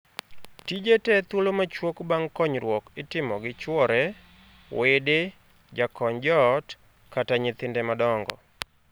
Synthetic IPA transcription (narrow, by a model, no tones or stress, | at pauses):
tid͡ʒetɛt̪wolomat͡ʃwokbaŋkɔɲɾwɔkɪtɪmɔɡɪt͡ʃwɔɾɛ | wede | d͡ʒakɔɲd͡ʒɔt | kataɲɪt̪ɪndemadɔŋɡɔ̰